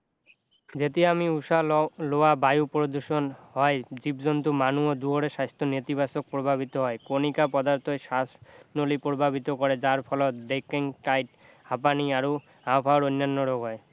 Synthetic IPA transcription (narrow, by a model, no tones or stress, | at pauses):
d͡ʑet̪̬iamiuʃaloabajupɾod̪uɾʃonɦɔed͡ʑibd͡ʑont̪umanuod̪uɦoɾeʃajst̪ʰonet̪ibasok̚pɾobʱabʱit̪oɦɔekonikapɔd̪aɾt̪ʰoʃasnolipɾobʱabʱit̪okɔɾed͡ʑaɾpʰɔlod̪ekeŋʈajʈ̚ | hapaniaɾo | apʰaoɾojnːanːoɾoɡɔe